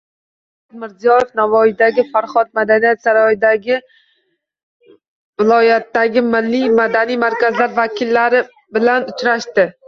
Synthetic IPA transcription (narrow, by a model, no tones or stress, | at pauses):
ad̪mɪɾzijɒjɪfnavɒjid̪aɡʲɪfaɾχɒt̪̚mad̪anijat̪saɾɒjɪd̪aɡʲɪ | vɪlˠɒjat̪ːaɡʲɪmɪlːijmad̪anijmaɾkʲazlaɾvakʲʰɪlːaɾɪ | bɪlanʊt͡ʃɾaʃt̪ɪ